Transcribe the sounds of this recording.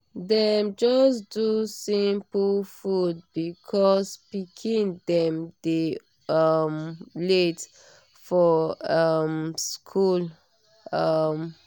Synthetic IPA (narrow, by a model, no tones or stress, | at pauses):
dɛmd͡ʒɔsdusĩmplfud̚bikʰɔspikʰĩndɛ̃mde | ʌmlet | fɔʌmskʰul | ʌm